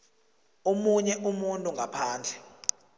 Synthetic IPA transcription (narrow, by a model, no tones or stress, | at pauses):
omuɲɛʔumuntʼuŋɡʱapʰaːnd͡ɮʱɛ